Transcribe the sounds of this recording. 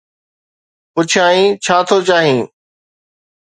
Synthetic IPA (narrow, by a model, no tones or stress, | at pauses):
pʊt͡ʃʰaːɦĩːt͡ʃʰaːt̪ʰoːt͡ɕaːɦĩː